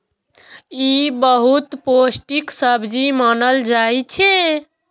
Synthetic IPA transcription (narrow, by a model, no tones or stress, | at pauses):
ibəɦut̪posʈiksəbʱd͡ʒimənəld͡ʒajt͡ʃʰɛ